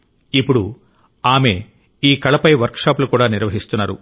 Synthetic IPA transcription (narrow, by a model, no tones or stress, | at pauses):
ipːuɽu | aːme̞ | iːkɐɭɐpɐjʋɐɾkʂaːplukuːɽaːniɾʋɐɦist̪unːaːɾṵ